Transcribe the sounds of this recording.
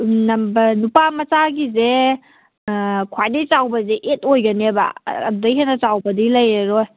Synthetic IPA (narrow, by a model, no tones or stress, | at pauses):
nɐmbɐnupamɐt͡ʃaɡize | kʰwajdejt͡ʃawbɐzeʔetojɡɐneba̰ːdudɐjɦenɐt͡sawbɐdilɐjeɾoj